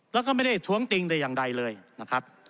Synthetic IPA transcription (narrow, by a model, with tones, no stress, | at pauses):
lɛː˦˥kɔ˥˩m˥˩jda˨˩jt̪ʰu˦˥əŋt̪i˧ŋda˧jaː˨˩ŋɾa˧jlɤː˧jna˦˥kʰɾa˦˥p̚